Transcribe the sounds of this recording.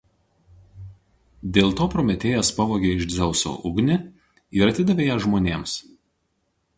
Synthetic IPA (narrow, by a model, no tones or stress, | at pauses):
d̪ʲeːlˠt̪oːpɾɔmʲɛt̪ʲeːjɛspɐʋoːɡʲeːɪʒd̪zʲɛʊso̰ːʔʊɡnʲɪ | iɾɐt̪ʲɪd̪ɐʋʲeːjɛʒmoːnʲeːms